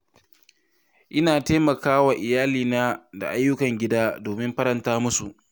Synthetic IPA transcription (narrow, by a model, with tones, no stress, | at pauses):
ʔɪ˦naː˨teː˦mɐ˨kaː˦wa˨ʔɪ˨jaː˦liː˨naː˦da̰˨ʔa˦jːʊ˦kɐ˨ŋɡʲɪ˦daː˦doː˨mɪ˦mɸɐ˦ɾɐ˨ntaː˦mʊ˦su˨ʔ